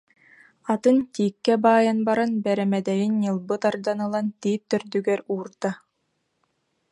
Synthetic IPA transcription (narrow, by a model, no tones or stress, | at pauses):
at̪ɯnt̪iːkːɛbaːjanbaɾanbɛɾɛmɛd̪ɛjinːɯlˠbɯt̪aɾd̪anɯlˠant̪iːp̚t̪ːœɾd̪yɡɛɾuːɾd̪a